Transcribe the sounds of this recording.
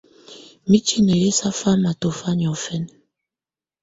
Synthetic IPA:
mi˦t͡ʃi˦ne˨ɾe˦sa˦fa˦ma˨to˨fa˦ɲ˨ɔ˨fɛ˦n

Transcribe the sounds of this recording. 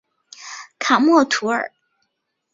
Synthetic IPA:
kʰa˨˩mwɔ˥˩t̪ʰu˧˥ə̰˞˨˩˦

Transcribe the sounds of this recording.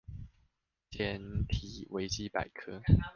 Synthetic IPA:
t͡ɕʰjɛ˥nt̪ʰi˨˩wʔe˧˥ɪt͡ɕi˥pa̰˨˩ɪkʰɤ˥

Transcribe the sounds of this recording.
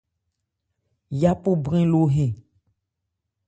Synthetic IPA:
ja˦po˦bɾẽ˦lo˦ɦẽ˨

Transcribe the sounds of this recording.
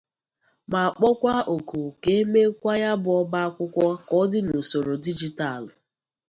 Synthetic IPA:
ma˨a˨k͡pɔ˦kʷa˦o˨ku˨ke˦e˦me˦kʷa˦ja˦bʊ˨ɔ˦ba˦a˦kʷʊ˦kʷɔ˦kɔ˦dɪ˦no˨so˨ɾo˨di˦d͡ʒi˦ta˨l

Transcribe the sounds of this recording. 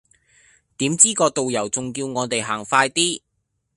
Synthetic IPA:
t̪iː˨˥mt͡siː˥kɔː˧t̪o˨wjɐ˨˩wt͡sʊ˨ŋkiː˧wŋɔː˨˧t̪e˨jɦaː˨˩ŋfaː˧jt̪iː˥

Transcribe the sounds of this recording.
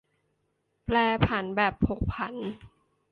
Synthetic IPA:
plɛː˧pʰa˩˦nbɛː˨˩p̚ho˨˩k̚pʰa˩˦n

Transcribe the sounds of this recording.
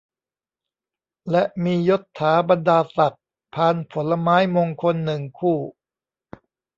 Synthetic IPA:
lɛ˦˥ʔmiː˧jo˦˥t̪ʰːaː˩˦˥ba˧ndaː˧sa˨˩k̚ | pʰaː˧npʰo˩˦nlːa˧maː˦˥jmoː˧ŋkʰo˧nːɯ˨˩ŋkʰuː˥˩

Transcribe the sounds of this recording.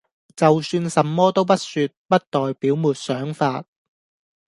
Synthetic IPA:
t͡sɐ˨wsyː˧nsɐ˨mːɔː˥t̪o˥wpɐ˥t̚syː˧t̚pɐ˥t̚t̪ɔː˨jpiː˨˥wmuː˨t̚sœː˨˥ŋfaː˧t̚

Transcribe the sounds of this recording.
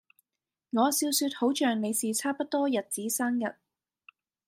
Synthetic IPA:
ŋɔː˨˧siː˧wsyː˧t̚ho˨˥wt͡ʃœː˨ŋne˨˧jsiː˨t͡sʰaː˥pɐ˥t̚t̪ɔː˥jɐ˨t̚t͡siː˨˥saː˥ŋjɐ˨t̚

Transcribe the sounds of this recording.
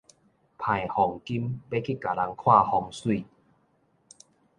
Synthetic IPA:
pʰa˨˩jhɔ˨˩ŋki˦mbe˦kʰi˦˩ka˨˩la˨˦ŋkʰwaː˥˧hɔ˧˩ŋswi˥˧˨

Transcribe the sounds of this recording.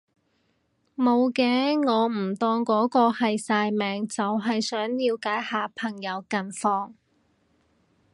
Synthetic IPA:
mo˨˧wkɛː˨˧ŋɔː˨˧m̩˨˩t̪ɔː˧ŋkɔː˨˥kɔː˧hɐ˨jsaː˧jmɛː˨˧ŋt͡sɐ˨wɦɐ˨jsœː˨˥ŋjiː˧wkaː˨˥jhaː˨pʰɐ˨˩ŋjɐ˨˧wkɐ˨˧nfɔː˧ŋ

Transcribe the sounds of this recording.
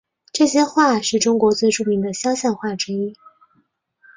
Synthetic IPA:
ʈ͡ʂɤ˥˩ɕjɛ˥xwa˥˧ʂɻ̩˥˩ʈ͡ʂʊ˥ŋkwɔ˧˥t͡swe˥˧ɪʈ͡ʂu˥˩mi˧˥ŋd̪ə˨ɕjɑ˥ʊɕjɑ˥˧nxwa˥˩ʈ͡ʂɻ̩˥i˥

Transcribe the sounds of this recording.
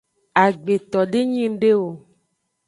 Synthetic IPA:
a˨ɡ͡be˨t̪ɔ˨ɖe˦ɲĩ˦ŋ˦ɖe˦wo˨

